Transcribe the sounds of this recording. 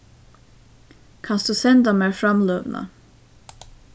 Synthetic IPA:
kʰɑnsd̪̥ʉsɛnd̪amæːɾfɾamløːvna̰

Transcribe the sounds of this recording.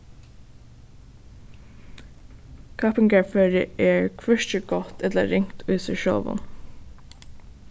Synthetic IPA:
kʰɑpɪŋɡəɹfœɹə̰ʔeːɹkʰʋœʃt͡ʃəɡɔt̪ɛt̪lə̰ɾɪŋt̪ʰʉːsɪʃɔ̰ːʋə̰n

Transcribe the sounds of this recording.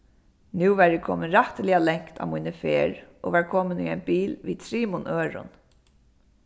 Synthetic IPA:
nʉːʋæɹɪkʰo̰ːmənɾaht̪əlɪalɛŋ̥kt̪ʰa̰ːmuːnəfeːɹʔo̰ːʋæːɹkʰɔːməny̰aɪnbiːlʋḭːt̪ʰɾiːmʊnʔøːɹʊ̰n

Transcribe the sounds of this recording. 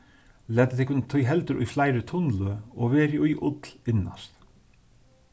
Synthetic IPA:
lɛːt̪ɪ̥t̪ʰɪhkʊnt̪ʰɔjɦɛlt̪ʏɾʔʊ̰jflaːjɾɪt̪ʰʊnlʏɔɣvɛːɾɪujʔʊt̪lɪnːa̰st̪

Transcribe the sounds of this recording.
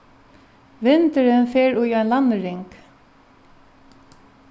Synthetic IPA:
ʋɪnt̪əɾənfeːɹuaɪnlanːəɾɪŋk

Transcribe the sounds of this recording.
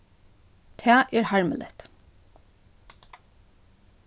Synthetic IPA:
t̪ʰæːʔeːɹhɑɹmə̰lʔɛ̰t̪

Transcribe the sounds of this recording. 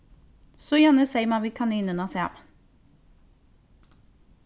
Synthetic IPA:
sɔjænəsɛɪmɑʋiːkʰɑniːnənɑsɛ̰m

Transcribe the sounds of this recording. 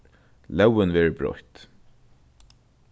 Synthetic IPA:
lɛwɪnvɛːɹəbɹɔ̰ht̪

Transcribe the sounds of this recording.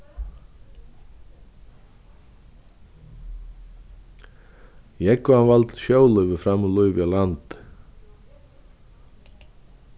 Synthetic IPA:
ɛkːʊanvalt̪ʃjoːwlœʏvəfɾamʏlɔʏvjalant̪

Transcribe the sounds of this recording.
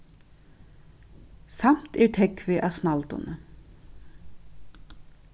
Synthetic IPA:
samt̪æːʈʰɛkʋɪʔɑsnɑlt̪ʊ̰nə

